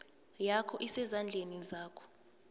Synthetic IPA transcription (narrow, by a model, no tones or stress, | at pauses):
jakʰɔʔisɛzand͡ɮʱenizaːkʰɔ̥